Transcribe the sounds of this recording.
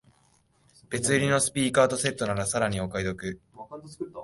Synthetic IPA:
b̥e̞t͡sɨɾʲino̞sɨ̥pʲiːkaːt̪o̞se̞t̪ːo̞naɾasaɾaɲ̟io̞kaid̪o̞kɯ̟

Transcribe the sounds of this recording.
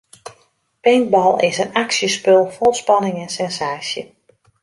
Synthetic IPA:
pɛŋk̚bɔlˠɪsənaksjəspølˠfolˠspɑnɪŋɛnsɛnsaːsjə

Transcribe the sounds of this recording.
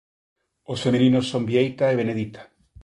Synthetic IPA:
osfemelinosːombjejt̪aeβ̞eneðit̪ḁ

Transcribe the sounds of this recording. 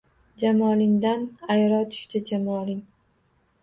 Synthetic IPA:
d͡ʒamɒlɪŋd̪anajɾɒt̪ʰʊ̥ʃt̪ʰɪd͡ʒamɒlɪŋ

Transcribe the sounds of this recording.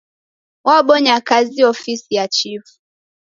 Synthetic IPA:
waɓɔɲakaziɔfisijat͡ʃifu̥

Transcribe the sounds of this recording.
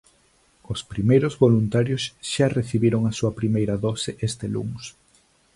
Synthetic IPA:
ospɾimejɾozβolunt̪aɾjosʃareθiβiɾoŋɐsuɐpɾimejɾɐðɔsɪʔest̪elṵŋs

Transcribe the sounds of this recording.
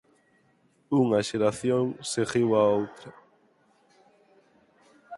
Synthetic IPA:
uŋɐʃeɾaθjoŋseɣiwaowt̪ɾɐ

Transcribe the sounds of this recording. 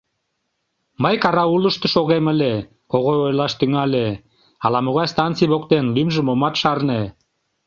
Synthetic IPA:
məjkɑɾɑulə̆ʃt̪ə̆ʃoɣemə̆lʲe | koɣojojlɑʃt̪yŋɑlʲe | ɑlɑmoɣɑjst̪ɑnt͡sijβokt̪enlymʒə̆momɑt̪ʃɑrne

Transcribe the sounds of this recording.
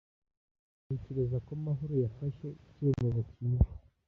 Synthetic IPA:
eceɾezakomaɦoɾojafaʃe̞ceːmoβocije

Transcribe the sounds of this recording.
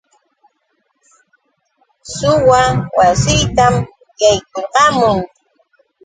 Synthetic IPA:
sʊwawasɪjt̪am | jajkoqɑmʊŋ

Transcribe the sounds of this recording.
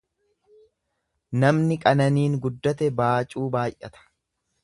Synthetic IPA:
nɐmnɪkʼɐnɐniːŋɡʊd̪ːɐt̪ɛbaːt͡ʃʼuːbaːjʔɐt̪ɐ̥

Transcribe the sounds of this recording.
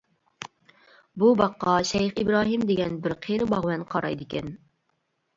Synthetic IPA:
bubɑqːɑʃɛjχibɾɑːɦimd̪ɪɡʲɛnbɪɾqʰeɾɪbɑʁwɛnqʰɑɾɑ̰jd̪ɪkʲʰɛn

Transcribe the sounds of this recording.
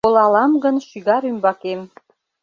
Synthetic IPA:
olˠɑlɑmɡɤ̆nʃyɣɑɾymbɑkem

